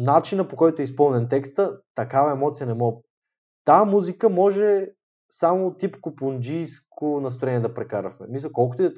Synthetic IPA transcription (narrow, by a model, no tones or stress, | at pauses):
nat͡ʃinəpokɔjt̪oɛispɤlˠnɛnt̪ɛkst̪ət̪ɐkavɐɛmɔt̪siənɛmɔ | t̪amuzikəmɔʒɛ | samot̪ipkopʊnd͡ʒijskʰonɐst̪ɾoɾɛniɛd̪ɐpɾɛkaɾəfmɛmisəkɔlˠkʊt̪ʊi